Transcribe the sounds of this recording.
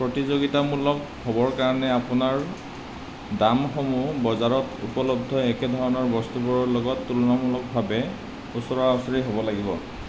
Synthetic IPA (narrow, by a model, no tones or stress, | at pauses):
pɹotizoɡitamulɔk | hobɔɹkaɹɔnɛapunaɹ | damxomubɔzaɹɔtṵpɔlɔb̚dʱɔɛkɛdʱɔɹɔnɔɹbɔst̪ubɔɹɔɹlɔɡɔtːulɔnamulɔk̚bʱabɛ | usɔɹɔasaɹiɦobɔlaɡibɔ